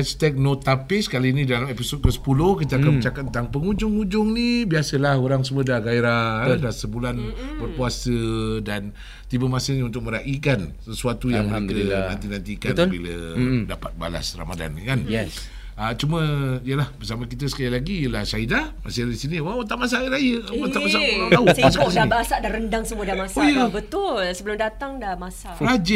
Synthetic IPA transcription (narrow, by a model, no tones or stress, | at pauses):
ɛst̪ɛk̚not̪apɪsə̥kaliːnidalamepisot̪̚kəsə̥pulʊhkit̪əakanmə̃t͡ʃakat̪̚ːənt̪aŋpəŋud͡ʒʊŋud͡ʒʊŋnibiasəlahoɾaŋs̬əmədahɡaiɾaadasəbulanbərpuasədan | t̪ibəmasəhɲunt̪ʊk̚mə̃ɾaʔikansəsuat̪ujaŋmənekəna̰nt̪inant̪ikanbilə̰dapat̪̚ba̰la̰sra̰mada̰nkanɛ | ət͡ʃumə̃ijəlahbərsaməkit̪əsə̥kailaɡijəlahsaidamasiisiniwaat̪̬aʔmas̬aɾajəwat̪aʔmas̬aʔat̪ausassianibaasaʔdaɾəndaŋsəmuədamasoajəbət̪ʊlsəbəlʊmdat̪aŋdamasaʔɾad͡ʒə